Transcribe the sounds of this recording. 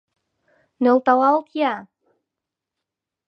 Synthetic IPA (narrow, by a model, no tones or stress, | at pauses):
nolt̪awalt̪ʰja